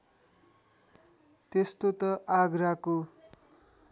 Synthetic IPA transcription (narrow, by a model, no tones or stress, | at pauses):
t̪est̪ot̪ʌʔaɡrako